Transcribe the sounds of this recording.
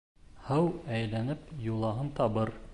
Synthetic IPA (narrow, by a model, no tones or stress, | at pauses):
hɤwæjlænɘpjulˠɑɦɤnt̪ɑβɤɾ